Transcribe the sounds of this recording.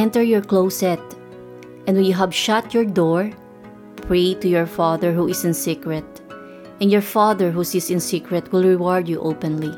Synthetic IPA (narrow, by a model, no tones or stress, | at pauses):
ɛ̃nt̪ɛɹjɔɹkloʊsɛt̪̚ | ʔɛ̃ndwɛ̃njuɦævʃat̪jɔɹd̪ɔɹ | pʰɹeɪt̪ujɔɹfaðəɹɦuɪsɪ̃nsikɹɛt̪̚ | ʔɛ̃ndjɔɹfaðəɹɦusɪsɪ̃nsikɹɛt̪wɪlˠɹɪwɔɹd̪juʔopɛ̃nli